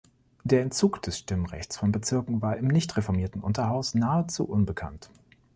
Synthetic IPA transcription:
d̥eːɐɛntt͡suːkd̥ɛsʃtɪməʁɛ̰çt͡sfɔnbət͡sɪɐkŋ̩vaːɐʔɪmnɪçtʁefɔɐmiːɐtn̩ʔʊ̰ntɐhaʊsnaːət͡sṵːʔʊnbəkʰa̰nt

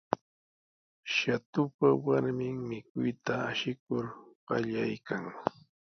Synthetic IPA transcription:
ʃat̪ʊpawaɾmɪŋmɪkʊjt̪aːʃɪk̚ʊɾɢ̥ɑ̰ʎajkaŋ

